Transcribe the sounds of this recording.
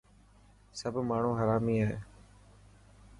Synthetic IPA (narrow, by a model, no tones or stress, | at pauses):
səbʱmaːɳ̤ũːɦəɾaːmiːaːɦeː